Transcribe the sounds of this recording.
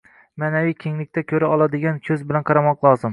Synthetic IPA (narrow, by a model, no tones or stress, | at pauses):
maːnavijkʲʰeŋlɪkʲt̪ʰakʲʰɵɾaɒlˠad̪ɪɡʲankʲʰɵzbɪlanqʰɑɾɑmɒqlˠɒːzɪm